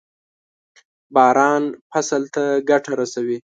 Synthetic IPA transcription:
bɑɾɑnpasalt̪aɡaʈʰaɾasawi

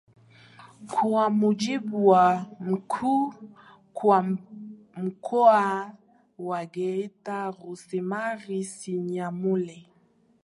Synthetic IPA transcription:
kʰuamud͡ʒibuwam̩kʰu | kwa | m̩kʰɔa | waɡɛitaɣusɛmaɣisiɲamulɛ

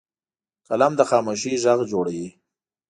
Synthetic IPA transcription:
kalamd̪əxɑːmoʃ̬iʒaɣd͡ʒoɽawi

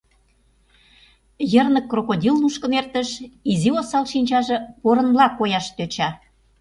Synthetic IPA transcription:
jərnə̆kːrokodʲilnuʃkə̆mert̪ə̆ʃiziosɑlʃinʲt͡ɕɑʒɤ̆poɾə̆nblɑkːojɑʃt̪øt͡ɕɑ

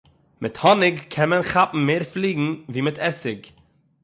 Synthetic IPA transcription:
mʔɪthɔnɪɡkʰɛnmɛnχapm̩meːɾfliːɡŋ̩viːmɪtʰɛsɪɡ

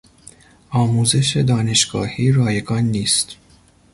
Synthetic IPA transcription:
ɒːmuːze̞ʃed̪ɒːne̞ʃɡɒ̰ːhiːɾɒːjeɡɒːnːiːst̪

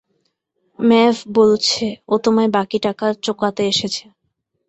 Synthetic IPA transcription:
mɛfbolt͡ɕʰeot̪omaebakiʈakaɾt͡ɕokat̪eeʃet͡ɕʰe̥

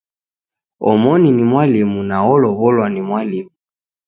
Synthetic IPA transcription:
ɔmɔninimwalimunaɔlɔβɔlwanimwalimu

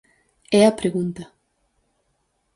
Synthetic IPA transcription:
ɛɐpɾeɣunt̪ɐ

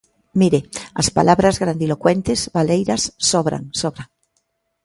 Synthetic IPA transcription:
miɾeaspalʔaβɾazɣɾand̪ilokwent̪ezβalejɾasːoβɾa̰ŋsoβɾaŋ

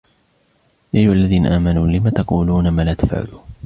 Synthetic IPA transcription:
jʔaʔajʊhalːaðiːna̰ʔaːmanuːlɪmaːt̪ɑquːluːnamaːlaːt̪afʕa̰lṵː

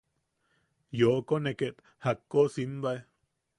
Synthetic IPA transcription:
joʔkonekeʔt̪ | hakːosinb̪ae

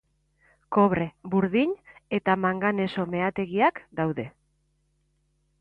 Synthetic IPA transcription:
ko̞βɾe̞buɾðiɲe̞t̪amaŋɡane̞so̞me̞at̪e̞ɣiakd̪awðe̞

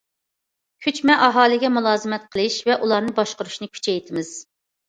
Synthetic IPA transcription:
kʲʰyt͡ʃmɛʔɑɦɑːlˠɨɡʲɛmulˠɑːzɨmɛt̪̚qʰəlˠɨʃvɛʔulˠɑɾnɨbɑʃqʊɾuʃnɨkʲʰy̥t͡ʃʰɛjt̪ʰɪmɪz̥

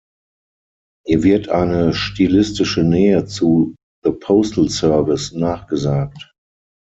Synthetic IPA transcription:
hiːɐvɪɐtʔa̰ɪnəʃtiːlɪstɪʃənɛːət͡su | ðəpʰoʊstl̩sœɐvɪsnaːχɡ̥əzaːk̚t

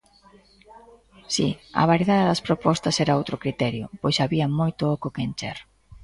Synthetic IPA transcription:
sḭɐ̰βaɾieðaðeðɐspɾopɔst̪ɐsɛɾaowt̪ɾokɾit̪ɛɾjʊ̰pojsaβiɐmojt̪ʊɔkʊkent͡ʃɛ̰ɾ

